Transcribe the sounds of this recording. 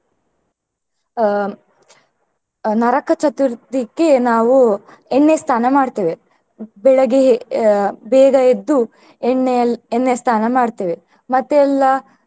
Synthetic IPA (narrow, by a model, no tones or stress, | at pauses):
nɐɾɐkʰːɐt͡ʃʰɐt̪uɾt̪ikːenaːʋu | eɳːeɐst̪ʰaːnɐmaːɖt̪eːʋe | bɛɭɐɡe | bɛːɡɐed̪ːu | eɳːenːest̪ʰaːnɐmaːɽt̪eːʋe | mɐt̪ːɛlːɐ